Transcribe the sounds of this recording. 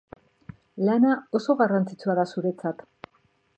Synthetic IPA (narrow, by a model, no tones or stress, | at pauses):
lanao̞so̞ɣarant͡sit͡suaðasuɾe̞t͡sat̪